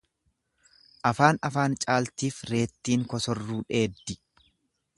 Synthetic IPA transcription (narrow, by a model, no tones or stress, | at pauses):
ʔɐfaːnɐfaːnt͡ʃʼaːlt̪iːfɾe̞ːt̪ːiːŋkɔsɔrːuːᶑe̞ːd̪ːɪ